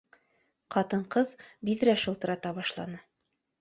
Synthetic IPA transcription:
qɑt̪ɤɴqɤðbiðɾæʃɤ̆lˠt̪ɤ̆ɾɑt̪ɑβɑʃlˠɑ̰nɤ

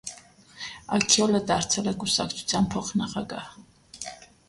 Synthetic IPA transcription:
akʰiɔlɛd̪aɾt̪t͡s̪ʰɛlɛɡusakʰt͡sʰu̥t͡s̪ʰjanpʰɔχnaχaɡa

